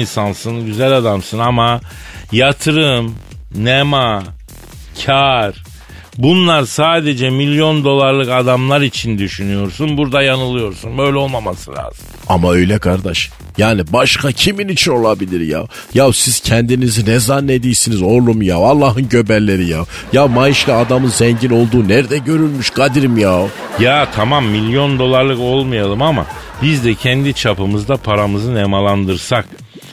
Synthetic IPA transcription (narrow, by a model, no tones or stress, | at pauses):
nsansɯnɟyzælʲad̪amsɯnama | jat̪ʰɯɾɯm | nema | cʰaɾ | bunlˠaɾsaːd̪e̞d͡ʒɛmilʲjo̞nd̪o̞lˠaɾlˠɯkad̪amlˠaɾit͡ʃʰind̪yʃynyjo̞ɾsunbuɾd̪ajanɯlˠɯjo̞ɾsunbø̞jlʲɛo̞lˠmamasɯlʲa̰ːz̥ɯmamaø̞jlʲɛkʰaɾd̪aʃ | jaːnibaʃkʰacʰiminit͡ʃʰino̞lˠabilʲiɾja̰jawsiz̥cʰɛnd̪inizinɛzanːe̞d̪ijisinizo̞ɾlˠumjavalˠːaːɦɯnɟø̞bælʲːe̞ɾijaw | jawmajiʃlʲaad̪amɯnzɛɲɟino̞lˠd̪uːnɛɾd̪ɛɟø̞ɾylʲmyʃɡad̪iɾimja | jaːt̪ʰamamːilʲjo̞nd̪o̞lˠaɾlˠɯko̞lˠmɯjalˠɯmama̰ | bizd̪ɛcʰɛnd̪it͡ʃʰapɯmɯzd̪apʰaɾamɯzɯnemalˠand̪ɯɾsak